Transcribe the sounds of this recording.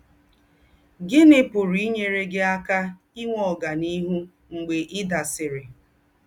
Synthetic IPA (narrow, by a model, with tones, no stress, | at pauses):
ɡɪ˦nɪ˦pʊ˨ɾi˨˦ɲe˦ɾe˦ɡɪ˦a˦ka˦ | i˦ŋʷɔ˨ɡa˨ni˦ɦu˦ | ŋ͡m̩˨ɡ͡be˨ʔɪ˦da˨sɪ˨ɾɪ˨